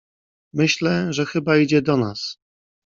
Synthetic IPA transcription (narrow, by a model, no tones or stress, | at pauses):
mɘɕlɛʐɛxɘbaid͡ʑɛd̪ɔnas